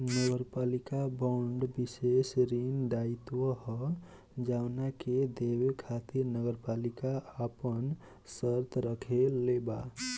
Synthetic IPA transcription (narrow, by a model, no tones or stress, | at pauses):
nəɡəɾpalikabɔɳɖbisesɾinɖait̪wəhə | d͡ʒawnaked̪ewekʰat̪iɾnəɡəɾpalikaapən | səɾt̪ɾəkʰeleba